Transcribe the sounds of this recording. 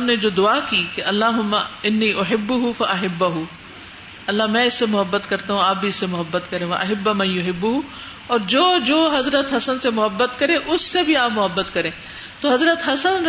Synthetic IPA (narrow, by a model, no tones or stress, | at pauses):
bned͡ʒoːd̪ʊaːkiːkeʔɐlːaːɦʊmːaɪnːiːʔʊɦɪbːʊɦʊfɐʔɐɦɪbːʊɦʊ | ɐlːamɛ̃ːɪsːemʊɦɐbːət̪kɐɾt̪aɦũaːp̚bʱiɪsːemʊɦɐbːət̪kɐɾẽːʋɐʔɐɦɪbːamɐ̃jʊɦɪbːʊɦu | ɔːɾd͡ʒoːd͡ʒoːɦɐzɾət̪ɦɐsənsemʊɦɐbːət̪kɐɾẽʔʊsːebʱiaːpmʊɦɐbːət̪kɐɾẽː | t̪oɦɐzɾət̪ɦɐsən